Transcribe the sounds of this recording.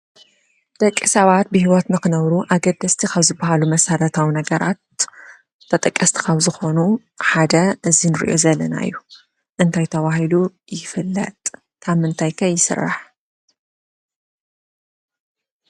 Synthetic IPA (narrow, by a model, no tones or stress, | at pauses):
d̪̥ɐkʼːisɐβat̪̚bɨhiwɔt̪nɨkɨnɐβɾuʔaɡɐd̪ɐst̪ʰikʰɐβzɨbːahalumɐsɐɾɐt̪ʰawnɐɡɐɾat̪ʰː | ɐt̪ʼɐkʼːɐst̪ʰi̥kʰɐβzɨxo̞nu | ħad̪ɐʔɨzinɨɾḭʔo̞̰zɐlːɐna̰ɨjːu | ʔɨnt̪ʰajt̪ʰɐβahilu | jɪfɨlːɐ̰t̪ʼʰ | amɨnt̪ʰajkʰɐjːɪsɨ̰rːa̰ħ